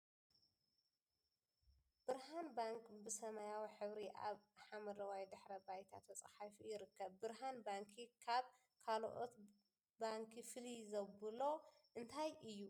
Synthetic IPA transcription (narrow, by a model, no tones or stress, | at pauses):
b̥ɨɾɦanbaŋkbɨsɐmɐjawiħɨβɾiʔa̰βħamɐɾɐwajd̪ɨħɾɐbajt̪ʰa̰t̪ʰːɐt͡sʼɐ̰ħafijɪɾɨkːɐβːɨɾɦanbaŋkʰikʰaβ | kʰalʔo̰t̪ | baŋkʰifɨlizɐbɨlo̞ | ʔɨnt̪ʰajʔɨjːu